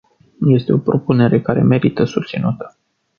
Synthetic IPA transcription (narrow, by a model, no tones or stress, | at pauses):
je̞st̪eo̞pɾo̞pune̞ɾe̞kaɾe̞me̞ɾit̪əsust̪sinut̪ə̥